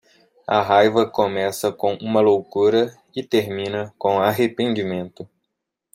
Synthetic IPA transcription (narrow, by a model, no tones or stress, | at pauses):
ɐɦajvɐkõmɛsɐkõw̃ũmɐlowkuɾɐ | ɪt̪eɾmĩnɐkõaɦepẽnd͡ʒimẽnt̪ʊ